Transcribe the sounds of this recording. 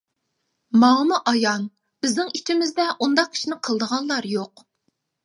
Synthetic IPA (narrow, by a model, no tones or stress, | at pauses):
mɑŋmuʔɑjɑn | b̥ɪznɪŋit͡ʃ̪ʰɪmɪzd̪ɛʔund̪ɑq̚ʲʰi̥ʃinɪqʰəlˠd̪əʁɑnlˠɑɾjoq